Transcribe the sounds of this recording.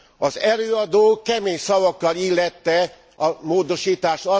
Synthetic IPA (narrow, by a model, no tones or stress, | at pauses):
ɒzɛløːɒd̪oːkɛmeːɲsɒvɒkːɒlilːɛt̪ːɛ | ɒmoːd̪o̞ʃiːt̪aːʃɒ